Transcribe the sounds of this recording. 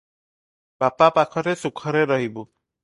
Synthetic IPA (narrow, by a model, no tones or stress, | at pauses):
bapapakʰɔɾesukʰɔɾeɾɔɦibu